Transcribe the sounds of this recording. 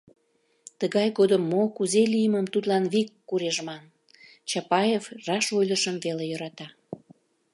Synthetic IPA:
t̪əɣɑjɣod̪əmːokuzelijəməmt̪ut̪lɑnβikːuɾeʒmɑn | t͡ɕɑpɑjevrɑʃojləʃəmvelejəɾɑt̪ɑ

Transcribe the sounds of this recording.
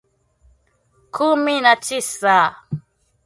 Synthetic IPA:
kʰuminat͡ʃisa

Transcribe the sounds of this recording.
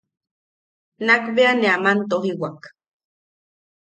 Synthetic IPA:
nakbeaneamant̪oɦiwak

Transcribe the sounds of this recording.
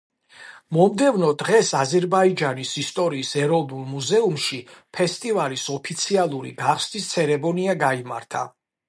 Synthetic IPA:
mɔmd̪ɛvnɔd̪ʁɛsazɛɾbaid͡ʒanisist̪ʼɔɾiːsɛɾɔvnulˠmuzɛumʃipʰɛst̪ʼivalisɔpʰit̪sʰialˠuɾḭɡaχsd̪ist̪sʰɛɾɛmɔniaɡaima̰ɾt̪ʰa̰

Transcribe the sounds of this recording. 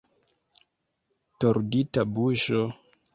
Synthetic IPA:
toɾditabuʃo

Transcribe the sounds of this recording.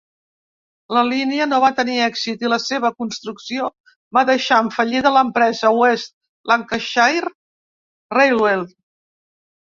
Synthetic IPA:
ləliniənoβ̞at̪əniɛkzit̪iləseβ̞əkunst̪ɾuksio | βaðəʃaəɱfəʎiðələmpɾɛzəwest̪̚ | laŋkəʃajɾ | rejlwel

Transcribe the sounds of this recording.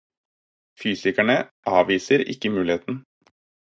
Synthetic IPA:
fyːsɪkæɳəʔɑːʋiːsəɾɪ̰kːəmʉːlɪheːt̪n̩

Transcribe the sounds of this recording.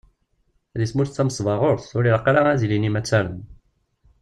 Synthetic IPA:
ðismuɾt͡sːæməsˤvɑʁoɾθʊɾiləqːɾaæzilinimæt͡sːæɾən

